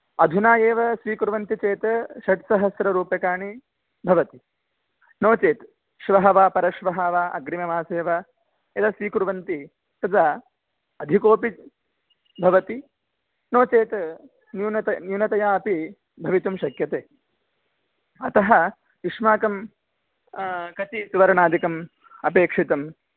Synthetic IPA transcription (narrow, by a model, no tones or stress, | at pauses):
ɐd̪ʱunaːjeːʋɐsʋiːkuɾʋɐnt̪it͡ʃeːt̪ʃɐʈsɐɦɐsɾɐɾuːpjɐkaːɳi | bʱɐʋɐt̪i | noːt͡ʃeːt̪ | ʃʋɐɦɐʋaːpɐɾɐʃʋɐɦaːʋaːɐ̰ɡɾimjɐmaːseːʋɐ | ɐd̪ɐsʋiːkuɾʋɐnt̪i | t̪ɐd͡ʒ̪a | ɐd̪ʱikoːpi | bʱɐʋɐt̪i | noːt͡ʃeːt̪ | njunɐt̪ɐnjunɐt̪ɐjaːɐpi | bʱɐʋit̪umʃɐkjɐt̪eː | ɐt̪ɐɦɐ | iʂmaːkɐm | kɐt̪isuʋɐɾɐɳaːd̪ʱikɐm | ɐpeːkʂit̪ɐm